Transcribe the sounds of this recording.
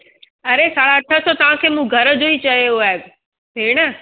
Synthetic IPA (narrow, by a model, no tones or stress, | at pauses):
ɐɾesaːɽaɐʈʰəsʰot̪ɐʋ̤ãkʰeːmũːɡʱɐɾəd͡ʑoit͡ɕɐjoaːɦe | peːɽ̃ə